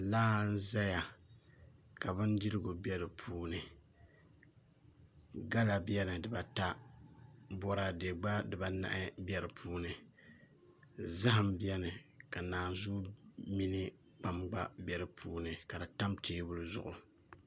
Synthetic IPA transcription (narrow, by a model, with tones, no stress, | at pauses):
laː˦n̩˦za˦ja˨ | ka˨bɨ˦ndi˦ɾɨ˦ɡo˨bɛ˦ɾɨ˨pʰuː˦nɨ˨ | ɡa˦la˨bjɛ˦nɨ˨dɨ˨ba˨ta˦ | bɔ˦ɾa˨de˨ɡ͡ba˦dɨ˨ba˨na̰˨ʔɪ˦bɛ˦ɾɨ˨pʰuː˦nɨ˨ | za˦ɦa˨mbi˦ɛ˦nɨ˨ka˨naː˨zu˦mi˦nɨ˦ | k͡pa˨mɡ͡ba̰˦bɛ˨ɾɨ˨pʰuː˦nɨ˨ka˨dɨ˨ta˦mtʰeː˦bʊ˦lɨ˦zʊ̰˨ʔʊ˨